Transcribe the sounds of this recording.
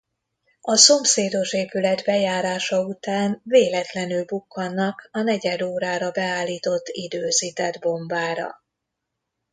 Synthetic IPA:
ɒso̞mseːd̪o̞ʃeːpylɛd̪bɛjaːɾaːʃɒut̪aːnveːlɛt̪lɛnylbukːɒnːɒkɒnɛɟɛd̪oːɾaːɾɒbɛaːlːiːt̪o̞t̪ːid̪øːziːt̪ɛd̪bo̞ɱbaːɾɒ̰

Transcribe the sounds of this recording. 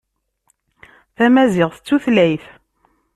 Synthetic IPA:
θæmæzɪʁθət͡sːuθlæjθ

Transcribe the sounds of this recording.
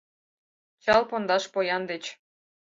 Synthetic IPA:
t͡ɕɑlˠpond̪ɑʃpojɑnd̪et͡ɕ

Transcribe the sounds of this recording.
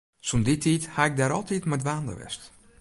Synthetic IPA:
sunditʰiːthaːɪk̚daːɾɔlˠtitmɛdʋaːndə̰ʋɛ̰st

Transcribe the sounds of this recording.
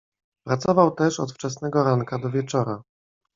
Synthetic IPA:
pɾat̪sɔvawt̪ɛʂɔ̰t̪ft͡ʂɛsnɛɡɔɾaŋkad̪ɔvʲjɛt͡ʂɔɾa

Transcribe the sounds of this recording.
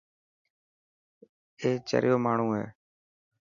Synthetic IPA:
eːt͡ʃə̰ɾjoːmaːɳ̤ũːɦḛː

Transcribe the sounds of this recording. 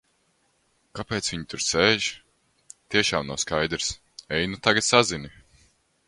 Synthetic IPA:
kapeːt̪svʲiɲit̪uɾseːʒ | t̪iɛʃaːmna̰wskajd̪ɾs | ɛjnut̪aɡat̪sazini

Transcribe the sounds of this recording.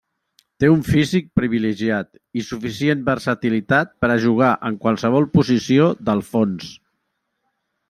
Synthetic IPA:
t̪euɱfizik̚pɾiβiləʒiat̪ | isufisienbəɾsət̪ilit̪at̪̚pəɾəʒuɣ̞aʔəŋkwalˠsəβ̞ɔlˠpuzisioðəlˠfons

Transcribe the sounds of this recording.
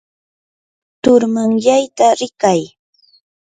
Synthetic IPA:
t̪ʊɾmaŋjajt̪aɾɪkaj

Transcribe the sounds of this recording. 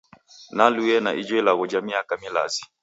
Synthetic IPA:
naluɛna̰ʔid͡ʒɛlaɣɔd͡ʒamiakamila̰zi̥

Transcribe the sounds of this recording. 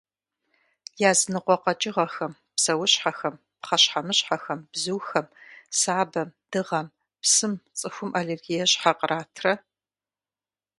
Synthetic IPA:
jaːzɨnɨqʷɔqɐt͡ʃʼɪʁɐxɐm | psɐwʊɕħaxɐm | pχɐɕħamɨɕħaxɐmb̥zuwxɐmsaːbɐmd̥ɨʁɐm | psɨmt͡sʼɨxʷʊmʔalerɡijɛɕħaqərʔaːtʰrɐ

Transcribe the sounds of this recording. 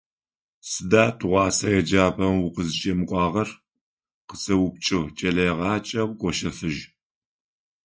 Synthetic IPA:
sɨdaːtʰʊʁʷɑːsɐjɛd͡ʒaːpʰʼɐmwʊqəzɨt͡ʃʼɐmɨkʷʼɑːʁɐr | qət͡sʼɐwʊp̚t͡ʃʼɨʁt͡ʃʼɐɮɐjʁɑːt͡ʃʼɐwʷɡʷʼɔʃɐfɨʒ

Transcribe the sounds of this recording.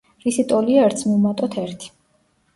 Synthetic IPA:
visit̪ʼɔliaɛɾt̪sʰmiumat̪ʼɔt̪ʰɛɾt̪ʰi̥

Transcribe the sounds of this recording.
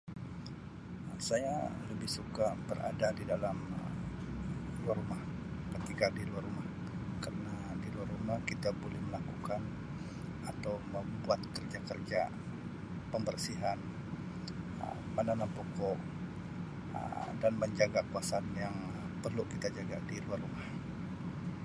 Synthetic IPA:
saja̰ləbɪhsukabəɾʔa̰dadidalamə | luarumah | kət̪ikadiluarumah | karənadiluarumahkit̪abolɛhməlakukan | at̪awməmbuat̪̚kərd͡ʒakərd͡ʒa̰ | pəmbərsiɦan | ə̰ | mənanapɔkɔʔ | danməɲd͡ʒaɡakuasanjaŋ | pərlukit̪ad͡ʒaɡadiluarumah

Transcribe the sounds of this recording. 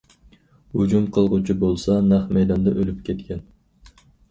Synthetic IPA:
ud͡ʒumqʰəlˠʁut͡ʃʰubolˠsɑnɑχmejd̪ɑnd̪ɑʔølyp̚kʲʰet̪kʲʰen

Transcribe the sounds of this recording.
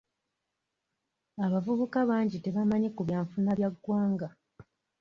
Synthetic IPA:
aβavuβukaβaːɲɟite̞βamaɲikuβjaːɱfunaβjaɡːwaːŋɡa

